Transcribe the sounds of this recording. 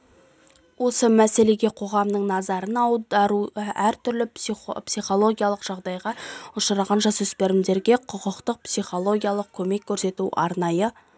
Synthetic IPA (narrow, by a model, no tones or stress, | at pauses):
wo̞səmæse̞le̞ɡʲe̞qʰo̞ʁɑmnəɴnɑzɑɾənɑwd̪ɑɾuæɾt̪ʰʏɾlɪpsijχo̞lˠo̞ɡʲijalˠəqʒ̥ɑʁd̪ɑjʁɑʊʃəɾɑʁɑnʒɑsɵspe̞ɾɪmd̪e̞ɾɡʲe̞qʰʊqəqt̪əq̚psijχo̞lˠo̞ɡʲijalˠəq̚kʲʰɵme̞kʲʰːɵɾse̞t̪uʔɑ̰ɾnɑjə